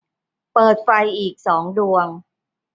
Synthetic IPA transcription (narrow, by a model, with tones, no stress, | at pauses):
pɤː˨˩t̪̚fa˧jʔiː˨˩k̚sɔː˩˦ŋdu˧əŋ